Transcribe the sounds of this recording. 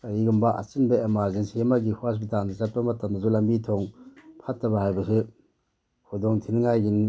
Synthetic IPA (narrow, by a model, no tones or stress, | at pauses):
aiɡumbaʔa̰t͡ʃɯnbeamazensiemaɡihuas̬bitanazapːamatamazulambitʰɔŋpʰatːabahajbasɯ | hʰudɔŋtʰinŋajɡin